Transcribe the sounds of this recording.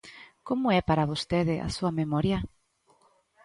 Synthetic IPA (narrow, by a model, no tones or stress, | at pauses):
komʊɛpaɾaβost̪eðɪʔa̰suɐmemɔɾjɐ